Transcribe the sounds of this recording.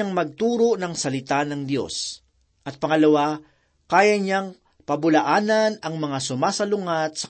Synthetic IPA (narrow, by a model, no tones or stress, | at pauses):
aŋmɐɡ̚t̪uːɾoʔnɐŋsɐlɪt̪anɐŋd̪jo̞̰s | ʔɐt̪̚pɐŋɐlɐwa | kaːjɐɲaŋ | pɐbʊlɐʔaːnɐnɐŋmɐŋasʊmaːsɐlʊŋat̪̚sɐ